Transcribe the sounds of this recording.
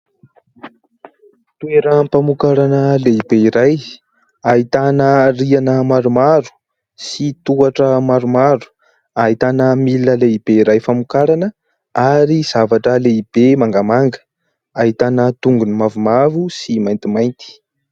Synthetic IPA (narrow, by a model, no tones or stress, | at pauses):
t̪ueɾəmpamukaɾanəleibeiɾaj | aɦit̪anərianəmaɾumaɾu̥ | sit̪uaʈ͡ʂəmaɾumaɾu̥ | aɦit̪anəmiləleibeiɾajfamukaɾanə | aɾiz̥avaʈ͡ʂəleib̥emaŋɡamaŋɡə̥ | aɦit̪anət̪uŋɡunimavumavusimajnt̪imajnt̪i̥